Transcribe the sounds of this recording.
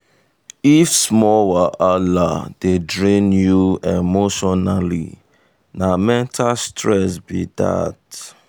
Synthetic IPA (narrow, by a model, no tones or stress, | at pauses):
ifsmɔwaʔalad̥edɹĩnjuemoʃɔnalḭ | namɛ̃ntʰalstɹɛsbida̰t